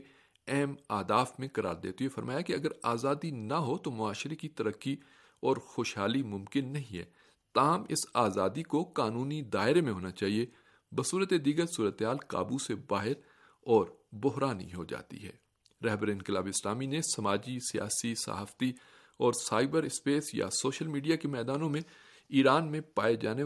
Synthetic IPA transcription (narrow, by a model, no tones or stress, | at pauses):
ɛːmaːd̪aːfmẽkɐɾʔa̰ːɾd̪ḛːt̪uefɐɾmaːjakeɐɡəɾaːzaːd̪inɐɦot̪omʊaːʃɪɾekit̪ɐɾəkːi | ɔːɾxoːʃɦaːlimʊ̃mkɪnːɐɦĩɦɛ̰ː | t̪aːɦəmɪ̰saːzaːd̪ikokaːnuːnid̪aːɪɾemẽɦoːnat͡ʃaːɦie | bɐsuːɾət̪ed̪iːɡəɾsuːɾət̪eɦaːlka̰ːbusebaːɦɪɾ | ɔːɾbʊɦɾaːnḭɦo̰d͡ʒa̰ːt̪ḭɦɛ̰ː | ɾɛɦbɾinkɪlaːbɪslaːminẽsɐmaːd͡ʒisija̰ːsisa̰ɦaːft̪i | ɔːɾsaːɪbəɾɪspeːsja̰soːʃəlmiːɖijakemɛːd̪aːnõmẽ | iːɾaːnmẽpaːed͡ʒaːne